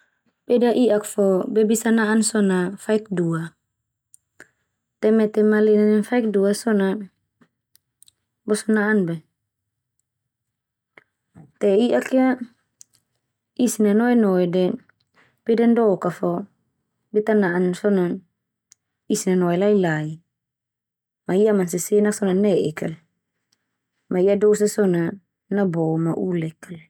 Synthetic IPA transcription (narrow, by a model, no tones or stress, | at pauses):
pɛdaʔiʔakfɔbɛbisanaʔansɔnafaikdua | t̪ɛmɛt̪ɛmalinanɛnfaik̚duasɔna | bɔsɔnaʔːnbɛ | t̪ɛiʔakja | isinanɔɛnɔɛdɛ | pɛdandɔkafɔ | bit̪anaʔansɔnan | isinanɔɛlailai | maiʔamans̬isenaksɔnanɛʔɛkal | maiadosasɔna | nabɔmaʔulɛkal